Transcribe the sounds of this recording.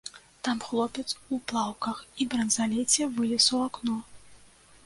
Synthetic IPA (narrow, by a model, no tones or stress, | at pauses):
t̪amxlˠɔpʲɛt̪suplˠawkɐxibɾɐnzalʲɛt͡sʲɛvɨlʲisɐwaknɔ